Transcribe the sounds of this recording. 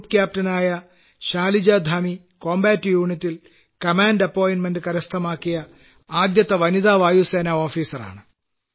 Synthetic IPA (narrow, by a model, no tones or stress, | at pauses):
upkjaːp̚tɐnaːjɐ | ɕaːlid͡ʑɐd̪ʱami | ko̞ːmbaːtːɨjuːɳitːil | kɐmaːnɖɐpːoːjnmendɨkɐɾɐst̪ʰɐmaːkːijɐ | aːd̪jɐt̪ːɐʋɐniðaːʋaːjuseːnɐo̞ːfiːsɐra̰ːɳɨ